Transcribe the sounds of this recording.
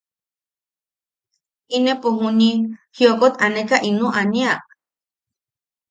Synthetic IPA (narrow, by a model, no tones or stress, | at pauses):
inepuɦunihiokot̪anekaʔinũʔaniaʔ